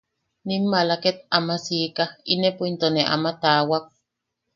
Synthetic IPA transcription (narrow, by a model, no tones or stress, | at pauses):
nimːalaket̪amasiːkainepuint̪oneʔa̰mat̪aːwak̚